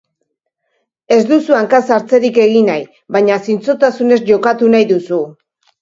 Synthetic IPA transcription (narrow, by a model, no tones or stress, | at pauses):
e̞zd̪usuaŋkasaɾt͡se̞ɾike̞ɣinaj | βaɲasint͡sot̪asune̞zʝo̞kat̪unajðusu